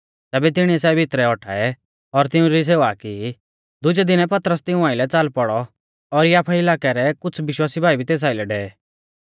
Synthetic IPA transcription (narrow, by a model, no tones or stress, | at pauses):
t̪ɛːbɛt̪ɪɽ̃iɛsɛbʱɪt̪ɾɛɔʈʰa̰ːɛ | ɔɾt̪ɪũɾis̬eːʋaki | d̪ʊd͡ʒɛd̪ɪnɛpɐt̪əɾəst̪ɪũaːɪlɛt͡saːlpɔɽɔ | ɔɾjaːpʰɛɪlaːkɛɾɛkʊt͡sʰʋɪʃwaːsibʱaːibʱit̪eːs̬aːɪlɛɖɛɛ